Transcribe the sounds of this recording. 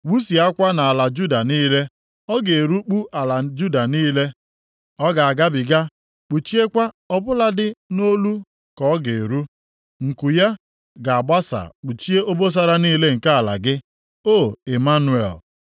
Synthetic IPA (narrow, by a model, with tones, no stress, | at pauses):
wu˦si˨a˦kʷa˦na˨a˨la˨d͡ʒu˦da˨niː˦le˦ | ɔ˦ɡe˨ɾu˦k͡pu˦ʔa˨la˨d͡ʒu˦da˨niː˦le˦ | ɔ˦ɡa˨a˨ɡa˦bɪ˨ɡa˦ | k͡pu˨t͡ʃi˦e˦kʷa˦ | ɔ˦bʊ˦la˦dɪ˦no˦lu˦ | kɔ˨˦ɡe˨ɾu˦ | ŋ̩˨ku˨ja˦ | ɡa˨a˨ɡ͡ba˦sa̰˨k͡pu˨t͡ʃi˦e˦ʔo˦bo˦s̬a˦ɾa˦niː˦le˦ŋ̩˨ka˦a˨la̰˨ɡɪ˦ | o˦˨e˨ma˦nu˨˦ḛ˨l